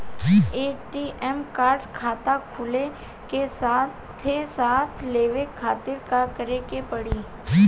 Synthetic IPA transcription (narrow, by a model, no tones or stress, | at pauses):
eːʈiʔɛmkaːɾɖkʰaːt̪akʰʊle | kesat | t̪ʰːesaːt̪ʰleːʋekʰaːt̪ɪɾkakəɾekepɐɽiː